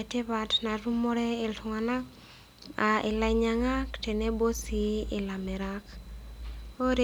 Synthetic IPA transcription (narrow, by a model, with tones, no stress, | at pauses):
e˨te˦βa˨tna˨tu˦mo˦ɾe˦ɪ˨ltʊ˨ŋa˨na˦ | a˨ʔɪ˨la˨iɲa˨ŋa˦kte˨ne˦bo˦si˨ɪ˨la˨me˨ɾak | o˦ɾe